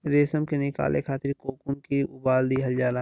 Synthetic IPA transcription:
ɾeːsəmkenɪka̰ːlʔḛkʰaːt̪ɪɾkoːkunkiʊbaːld̪iɦɐld͡ʒaːɾa

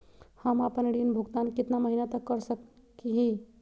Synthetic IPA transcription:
həmapənɽinbʱuɡt̪ankɪt̪naməɦinat̪əkːəɾsə | kiɦĩ

